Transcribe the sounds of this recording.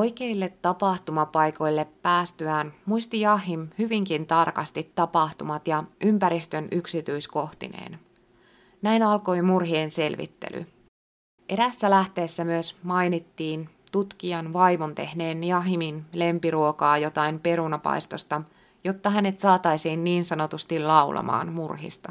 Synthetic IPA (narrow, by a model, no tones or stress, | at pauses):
ojk̟e̞ilːe̞t̪ːɑpɑht̪umɑpɑjko̞jlːe̞pːæːst̪yæːnmuist̪ijɑɦimhyʋiŋkint̪ɑrkɑst̪it̪ːɑpɑht̪umɑt̪jɑʔympæɾist̪ø̞nʔyksit̪yisko̞ht̪ḭnḛːn | næjnɑlko̞jmurɦiense̞lʋḭt̪ːe̞̰lʔy̰ | ʔe̞ɾæsːælæht̪e̞ːsːæmyøsmɑjnit̪ːiːn | t̪ut̪k̟iɑnʋɑjʋont̪e̞hne̞ːnjɑɦiminle̞mpiɾuokɑːjo̞t̪ɑjmpe̞ɾunɑpɑ̰jst̪o̞st̪ɑ | jo̞t̪ːɑɦæne̞t̪sɑːt̪ɑjsiːnːiːnsɑno̞t̪ust̪ilɑwlʔɑ̰mɑ̰ːnmurɦḭst̪ɑ